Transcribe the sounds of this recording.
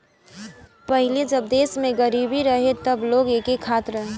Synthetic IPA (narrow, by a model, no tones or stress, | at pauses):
pəɦɪled͡ʒəbd̪eːsmẽɡəɾibiɾəɦet̪əbloːɡekekʰat̪ɾəɦe